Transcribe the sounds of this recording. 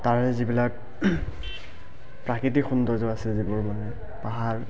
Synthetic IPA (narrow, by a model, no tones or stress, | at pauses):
taɹɛzibilak̚ | pɹakitikxundɔɹzʊasɛzibʊɹmanɛ | paɦaɹ